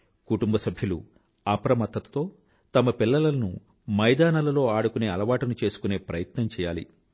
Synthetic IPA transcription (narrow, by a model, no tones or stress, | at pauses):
kuʈumbɐsɐbʱjɐlṵ | aːpɐɾɐmɐt̪ːɐt̪ɐ̥t̪o̞ː | t̪ɐmɐpilːɐlɐlɐnṵ | mɐjd̪aːnɐlɐlo̞ːaːɽukune̞ːɐlɐʋaːʈɐnut͡ʃe̞ːsu̥kune̞ːpɾɐjɐt̪nɐmt͡ʃɛːjaːlḭ